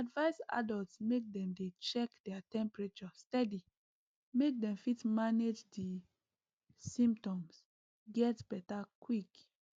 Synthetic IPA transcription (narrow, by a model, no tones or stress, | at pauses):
advaɪsa̰dɔltsmek̚dɛ̃mdet͡ʃɛkdɛatɛ̃mpɹat͡ʃɔstɛdi | mek̚dɛ̃mfitmaned͡ʒdi | sĩmp̚tɔ̃ms | ɡɛtbɛtakwik